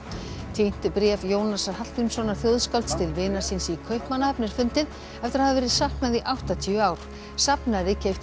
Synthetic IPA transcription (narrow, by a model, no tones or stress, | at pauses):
t̪ʰejn̥t̪ʏpɾɛːvjoːwnasahal̥t̪ʏmsɔnḁθjowðskalt̪st̪ɪlvɪːnaɾ̥sɪnsikʰœɥhpmanahɛpnɪɾ̥fʏnt̪ɪð | ɛft̪ɪɾaðavɛːɾɪðsahknaðiʔawht̪at̪ʰiʏaːwɾ̥ | sapnaɾɪcʰejft̪